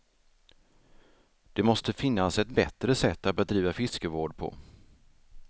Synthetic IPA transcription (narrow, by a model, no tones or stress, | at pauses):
d̪̥ɛmɔst̪əfɪnːasɛt̪bɛt̪ɾəsɛt̪ːat̪̚bɛd̪ɾiːvafɪskəvoːɖpʰɔ̰